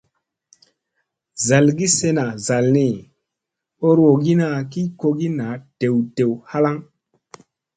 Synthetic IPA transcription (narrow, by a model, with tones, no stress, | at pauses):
za˨lɡi˦se˧na˨za˨lni˨ | o˦ɾwo˨ɡi˦na˨ki˦ko˧ɡi˦na˨˦te˨wte˨wha˦la˦ŋ